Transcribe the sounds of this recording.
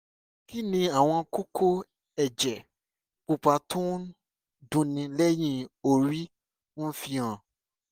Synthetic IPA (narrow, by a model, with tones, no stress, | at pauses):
ki˦nĩ˧a˨w̃ɔ̃˧ku˦kʰo˦ | ɛ˨d͡ʒɛ˨ | u˧˨k͡pa˧˦tʰũ˦ | dũ˧˦nĩ˧lɛ˦j̃ĩ˦o˨ɾi˦ | fi˧ã˨